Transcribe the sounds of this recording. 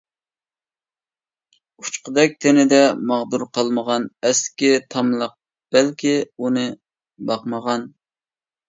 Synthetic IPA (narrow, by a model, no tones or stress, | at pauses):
u̥t͡ʃqəd̪ɛk̚ʲt̪ʰɪnɪd̪ɛmɑʁd̪uɾqʰɑlˠməʁɑnɛsɪ̥kʲɛt̪ʰɑmlˠəq̚ | b̥ɛlkʲiunɨ | bɑqməʁɑn